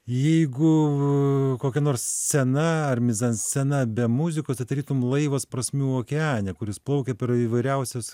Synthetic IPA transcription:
jɛɪɡʊ | koːkʲɛnoːɾssʲɛnɐɐɾʲmʲɪzɐnsʲɛnɐbʲɛmʊzʲɪkoːst̪ʲɐɪd̪ɐɾʲiːt̪ʊmlˠɐɪʋɐspɾɐsʲmʲuːoːkʲɛɑːnʲɛkʊɾʲɪsplˠɐʊkʲɛpʲɛɾiːʋɐɪɾʲɛʊsʲos

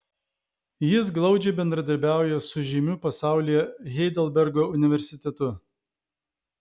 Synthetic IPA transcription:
jɪs̬ɡlˠɒʊd͡ʒʲɛɪbʲɛnd̪ɾɐd̪ɐɾʲbʲæˑʊjɛsʊʒʲɪmʲuːpɐsɑˑʊlʲijɛɣʲɛɪd̪ɛlˠbʲɛɾɡoːʊnʲɪʋʲɛɾʲsʲɪt̪ʲɛt̪ʊ

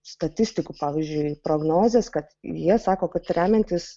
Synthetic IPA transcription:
st̪ɐt̪ʲɪsʲt̪ʲɪkupɑːʋʲiːzʲd͡ʒʲʊɪpɾoːɡnoːzʲeːskɐt̪jiɛsɑːkoːkɐt̪ɾʲæːmʲɛnʲt̪ʲɪs

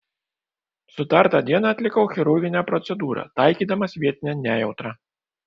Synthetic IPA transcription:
sut̪art̪ad̪ʲɛnat̪ʲlʲikɐwxʲiɾuɣʲinʲɐpɾɔt̪sɛd̪uɾɐ̰t̪ajkʲid̪ɐmɐsʲvʲɛt̪̚ʲnʲɛnʲɛjɛwt̪ɾɐ

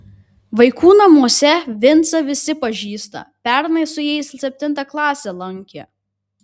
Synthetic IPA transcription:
ʋɐɪkʰuːnɐmuɔsʲɛʋʲɪnt̪sɐʋʲɪsʲɪpɐʒʲiːst̪ɐ̰pʲæɾnɐɪsʊjɛɪssʲɛpʲt̪ʲɪnt̪ɐklˠɑːsʲelˠɐŋʲkʲḛ

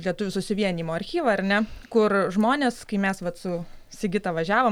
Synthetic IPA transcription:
lʲiɛt̪ʊʋʲʊsʊsʲɪʋʲiɛnʲiːmoːɐɾʲxʲiːʋɐɐrnʲɛkʊrʒmoːnʲeːskɐɪmʲɛsʋɐt̪sʊ | sʲɪɡʲɪt̪ɐʋɐʒʲæːʋo

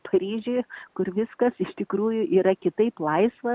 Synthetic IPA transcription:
pʰɐɾʲiːʒʲʊɪkʊrʋʲɪskɐsɪʃt̪ʲɪkɾuːjʊʔiːɾɐkʲɪt̪ɐɪplˠɐɪsʋɐ

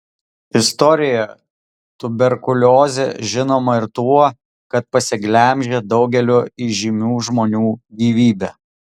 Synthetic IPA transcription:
ɪst̪ɔɾʲɪjɛ | t̪ʊbʲɛɾkʊlʲoːzʲḛʒʲɪnoːmɐɪɾt̪uɔ | kɐt̪̚pɐsʲɪɡlʲɛˑmʲʒʲeːd̪ɒʊɡʲɛlʲoːiʒʲimʲuːʒmoːnʲuːɡʲiːʋʲiːbʲɛː

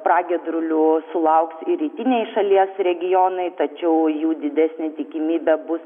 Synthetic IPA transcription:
pɾɑːɡʲɛd̪ɾʊlʲʊsʊlˠɐʊksiɾʲiːt̪ʲɪnʲeɪʃɐlʲiɛsɾʲɛɡʲɪjoːnɐɪt̪ɐt͡ʃʲɛʊjuːd̪ʲɪd̪ʲæsʲnʲeːt̪ʲɪkʲɪmʲiːbʲɛbʊs

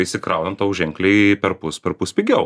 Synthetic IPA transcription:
ɪʃʲsʲɪkɾɐʊnɐnt̪ɐʊʒʲɛŋklʲeɪpʲɛɾpʊspʲɛɾpʊsʲpʲɪɡʲɛʊ

